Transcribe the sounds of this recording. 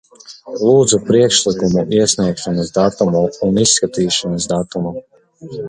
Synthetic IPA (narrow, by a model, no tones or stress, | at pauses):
lˠuːd̪zupɾiɛkʃlˠikumuʔiɛsʲniɛkʃɔnɨsd̪at̪umuunisːkat̪iːʃanasd̪at̪umu